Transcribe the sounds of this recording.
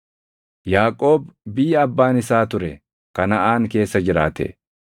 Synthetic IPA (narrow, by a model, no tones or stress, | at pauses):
jaːkʼo̞ːbbɪjɐbːaːnɪsaːt̪ʊɾɛ | kɐnɐʔaːŋke̞ːsːɐd͡ʒɪɾa̰ːt̪ɛ̰